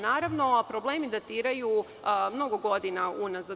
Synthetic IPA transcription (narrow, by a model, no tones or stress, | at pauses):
naːɾaʋno̞pɾo̞blˠeːmid̪at̪iːɾaju | mno̞ɡoɡo̞d̪inaunaza